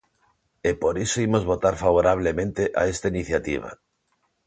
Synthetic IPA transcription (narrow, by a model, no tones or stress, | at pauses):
epoɾisoimozβot̪aɾfaβ̞oɾaβ̞lemẽnt̪eʔa̰est̪ainiθjat̪iβ̞a̰